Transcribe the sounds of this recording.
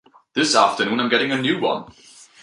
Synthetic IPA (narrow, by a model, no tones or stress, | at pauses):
ðɪsæftə˞nũnãɪ̃mɡɛɾɪ̃ŋɨnjʉwʌ̰̃n